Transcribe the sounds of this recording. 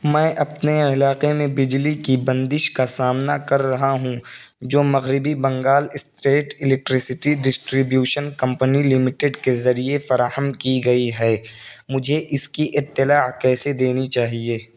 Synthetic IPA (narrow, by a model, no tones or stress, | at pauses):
mɛ̃ːʔɐpneɪlaːqemẽbɪd͡ʒlikibɐ̃nd̪ɪʃkasaːmnakɐɾːɐɦaɦũd͡ʒoːmɐɣɾɪbibɐ̃ŋɡaːlɪst̪ɾeːʈɪlɛk̚ʈɾɪsɪʈiɖɪsʈɾɪbjuːʃənkɐ̃mpənilɪmɪʈɪɖkezɐɾiefɐɾaːɦəmkiɡɐiɦɛːmʊd͡ʒʱeʔɪskiʔɪt̪ːɪlaːkɛːsed̪eːnit͡ʃaːɦieː